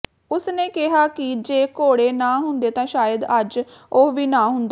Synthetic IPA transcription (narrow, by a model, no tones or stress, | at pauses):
ʊsneːkɪɦaːkɪd͡ʒeːkoːɽeːnãːɦʊnd̪eːt̪ãːʃaːjəd̪əd͡ʒoʋiːnãːɦʊnd̪a